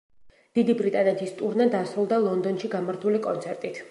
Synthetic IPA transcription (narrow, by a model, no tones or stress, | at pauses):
d̪̥id̪ibɾit̪ʼanɛt̪ʰist̪ʼuɾnad̪asɾulˠd̪alˠɔnd̪ɔnʃiɡamaɾt̪ʰulikʼɔnt̪sʰɛɾt̪ʼit̪ʰ